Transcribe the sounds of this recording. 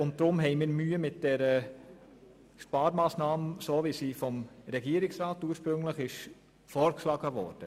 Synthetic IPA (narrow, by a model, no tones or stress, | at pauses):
ʊnt̚d̥ɾʊmɦɛɪmiːɾmyːəmɪt̚d̥ɛɾə | ʃpɑːɾmɑːsnɑːməsoːʋisiːfɔmɾɛɡiəɾɪksɾɑːtuːəɾʃpɾɵŋləχɪʃ | fɔːɾkʃlɑɡəʋɔ̰ːɾd̥ə